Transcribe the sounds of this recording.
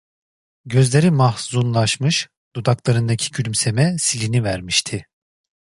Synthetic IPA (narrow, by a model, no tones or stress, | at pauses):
ɟø̞zlʲe̞ɾimahzunlˠaʃmɯʃ | d̪̥ud̪aklˠaɾɯnd̪acʰi̥cʰylʲmse̞mɛsilʲinivæɾmiʃt̪ʰɪ